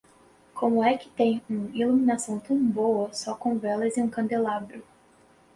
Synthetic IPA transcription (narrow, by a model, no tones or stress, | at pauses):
kʰõmʊɛkɪ̥t̪ẽj̃ũiluminasɐ̃w̃t̪ɐ̃w̃boɐsɔkõw̃vɛlɐzɪũkɐ̃nd̪elabɾʊ